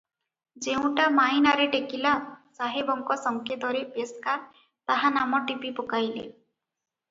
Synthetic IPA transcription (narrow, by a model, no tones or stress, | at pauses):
d͡ʒeũʈamajnaɾeʈekilasaɦebɔŋkɔsɔŋkʰjed̪ʱɔɾepeskaɾ | t̪aɦanamɔʈipipɔkajlḛ